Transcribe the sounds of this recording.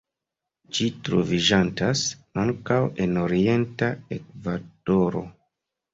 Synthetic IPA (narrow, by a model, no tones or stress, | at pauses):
d͡ʒitɾo̰vid͡ʒantasaŋkawe̞no̞ɾie̞ntaek̚vad̥oɾo̞̰